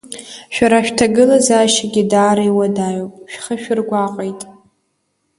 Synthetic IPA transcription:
ʃᶣaɾaʃᶣtʰaɡɨlazaʃaɡʲidaːɾaiwadaːjopʼʃᶣχəʃᶣʊrɡʷaqʼejtʼ

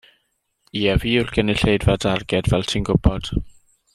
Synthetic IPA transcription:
iɛviːʊrɡ̥əniɬejdvadarɡɛdvɛlˠtʰinɡʊb̥ɔd̥

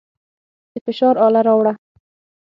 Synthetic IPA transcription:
d̪̥əfɪʃɑɾɑlaɾɑwɽa

